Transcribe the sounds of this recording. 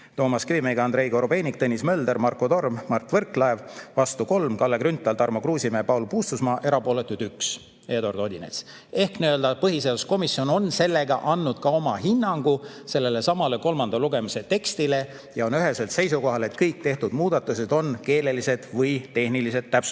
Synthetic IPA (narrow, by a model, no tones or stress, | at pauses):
t̪o̞ːmɑskivimeɡ̥ɑɑnd̪̥ɾe̞jko̞ɾobe̞ːnʲik̚t̪enːismø̞ːld̪e̞ɾmɑrko̞d̪o̞rmmɑrt̪ːˑvɤrklɑevvɑst̪uko̞lmkɑlːekɾynt̪ːˑɑlt̪ɑɾrmokruːsʲimepɑwlupuːst̪usmɑːʔe̞ɾɑpo̞ːle̞t̪ːˑud̪̥yks | e̞ːd̪o̞rd̪o̞d̪ʲinḛs | e̞hkniøld̪ɑpɤɦiseːusko̞misio̞no̞nse̞lːe̞ɡ̥ɑʔɑnːud̪̥̚kɑo̞mɑɦinːɑŋɡ̥u | se̞lːe̞le̞sɑmɑle̞ko̞lmɑnd̪ɑluɡ̥e̞mise̞t̪e̞kst̪ile̞ | jɑo̞nyɦe̞se̞lt̪se̞jsuko̞ɦɑle̞t̪kɤjk̚t̪e̞ht̪ud̪̥muːd̪̥ɑt̪ːˑuse̞d̪̥o̞nke̞ːle̞lise̞d̪̥vɤjt̪e̞hnilise̞t̪ːæpsu̥